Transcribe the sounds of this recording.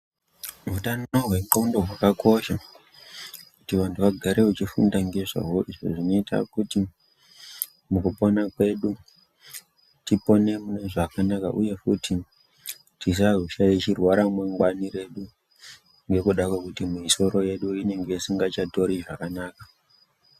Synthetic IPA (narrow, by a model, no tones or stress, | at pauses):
mutanoɦweŋɡaundeɦwakako̞ʃa | kutiʋantʰuʋaɡʱaɾʔe̞ut͡ʃifṵndaŋɡe̞ʐa̰ɦoiʐo̰ʐino̞ita̰kuti | mukuponakwe̞ɗu | tipo̞nemuneʐakanaka̰ʔuje̞futi | tis̬aruʃajit͡ʃirwaɾamwaŋɡwaniɾe̞ɗu | ŋɡe̞kuɗakwakutimuiso̞ɾo̞je̞ɗuine̞ŋɡe̞isiŋɡat͡ʃato̞ɾiʐakanaːka